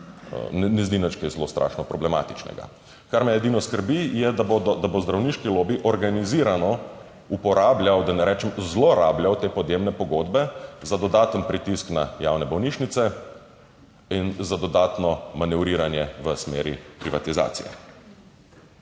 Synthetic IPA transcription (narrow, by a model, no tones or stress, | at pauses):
nɛnɛzd̪inət͡ʃkejzlost̪ɾʔa̰ːʃnɔpɾɔblɛma̰ːt̪i̥t͡ʃnɛ̰ɡa̰ | kaɾmɛɛd̪inɔskəɾbijɛd̪abod̪ɔd̪abozd̪ɾawniːʃkiloːbiʔɔɾɡaniziːɾanɔ | upɔɾaːblʲjawd̪anɛɾɛt͡ʃɛmzloɾaːbljawt̪eːpɔd̪jemnɛpɔɡod̪bɛzad̪ɔd̪aːt̪ənpɾit̪isknaja̰wnɛbɔwniːʃnit̪sɛ | inzad̪ɔd̪aːt̪nɔmanɛwɾiːɾanjɛʋəsmḛːɾḭpɾiʋat̪iza̰ːt̪sḭjɛ̰